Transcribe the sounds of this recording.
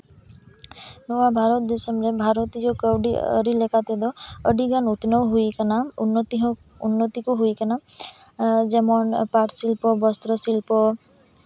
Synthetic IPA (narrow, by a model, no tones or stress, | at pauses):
nɔwabʱaɾɔt̪̚d̪isəmɾebʱaɾɔt̪id͡ʒɔkəwɖḭə̰ɽilekat̪ed̪ɔəɖiɡanut̪nɔwɦuikanant̪iɦ | unːɔt̪ikuɦuikana | d͡ʒɛmɔnpaʈsilpɔbɔst̪ɾɔsilpɔ